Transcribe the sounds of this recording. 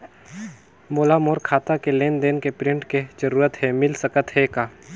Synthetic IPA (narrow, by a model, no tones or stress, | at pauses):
moːlamoːɾkʰaːt̪akeleːnd̪eːnkepɾɪ̃ɳʈked͡ʒɐɾuːɾət̪ɦɛmɪlsəkət̪ɦɛkaː